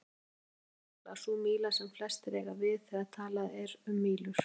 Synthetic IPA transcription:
la̰θumiːlasɛmflɛst̪ɾɛːɣavɪðθɛɣaðt̪ʰaːlaðɛɾʏmːiːlʏɾ̥

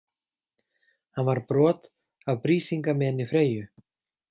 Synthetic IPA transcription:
hanvaɾ̥pɾɔːt̪ | avpɾiːsiŋkamɛɛnːɪfɾeːjʏ

